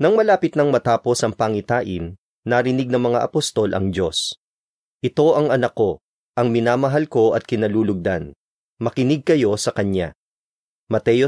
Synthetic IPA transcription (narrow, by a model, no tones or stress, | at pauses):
nɐŋmɐlaːpɪt̪nɐŋmɐt̪aːpo̞sɐŋpɐŋɪt̪aːʔɪnː | ɐɾɪnɪɡ̚nɐŋmɐŋa̰ʔɐpost̪o̞lʔɐ̰ŋdo̞s | ʔɪt̪o̞ʔɐŋɐnɐkːo̞ | ʔɐŋmɪnaːmɐɦalko̞ʔɐt̪̚kɪnɐluːlʊɡ̚d̪an | mɐkɪnɪɡ̚kɐjo̞sɐkɐɲja̰ | mɐt̪ɛjo